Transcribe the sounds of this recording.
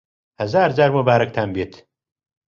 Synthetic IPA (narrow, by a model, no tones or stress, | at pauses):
hɐzaːɾd͡ʒaːɾmobaːɾɐk̚t̪ʰaːmbiːt̪ʰ